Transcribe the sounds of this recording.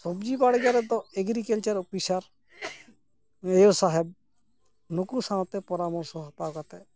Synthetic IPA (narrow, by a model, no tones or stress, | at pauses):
sɔbd͡ʒiːbaːɽɡjaɾɛt̪ɔeɡɾikelt͡ʃəɾɔpisaɾ | eosaːɦeb̚ | nʊkusãːt̪epɔɾaːmɔɾsɔpaːkat̪e